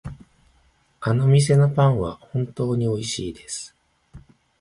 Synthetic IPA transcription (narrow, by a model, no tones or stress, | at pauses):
ano̞mʲis̬e̞no̞pãɰ̃βahõ̞nt̪o̞ːɲ̟io̞iɕḭːd̪e̞sɨ̥